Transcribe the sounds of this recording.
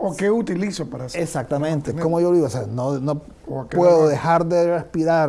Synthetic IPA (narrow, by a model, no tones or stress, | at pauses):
okeut̪ilisopaɾasesak̚t̪amẽnt̪ekomo̞ʝoliɡoseanono̞ | opweðoðexaɾðerespiɾaɾ